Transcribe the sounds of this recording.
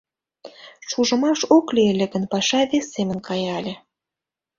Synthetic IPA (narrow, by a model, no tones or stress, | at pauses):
ʃuʒə̆mɑʃoklielʲĕɣə̆npɑʃɑβesʲːemə̆nkɑjɑlʲĕ